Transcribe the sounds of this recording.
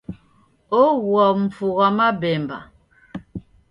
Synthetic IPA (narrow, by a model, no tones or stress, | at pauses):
oɣwɔm̩p͡fuɣamabɛmba̰